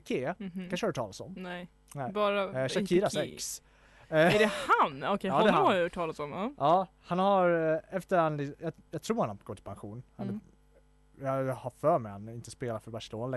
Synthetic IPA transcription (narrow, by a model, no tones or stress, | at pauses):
kʰeːanʂəhɑɾʈ̪ʰɑːlasɔ̰mnɛ | nɛbɑːɾaʃakʰiːɾasɛks | ɛdɛhanɔkʰɛɑːd̪ɛhaaɑːlasɔmaɑː | hanhaɾɛft̪əɾand̪ɪjɑjɑt̪ʰɾuːɾhanhaɡ̥oːt̪ʰɪlpʰanɧuːnhan | jɑhafœːɾmɛjhanɪnt̪əspeːlafœɾbaɾʂəloːnalɛ